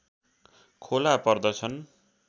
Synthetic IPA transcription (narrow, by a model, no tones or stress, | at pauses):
kʰolapʌrd̪ʌt͡sʰʌn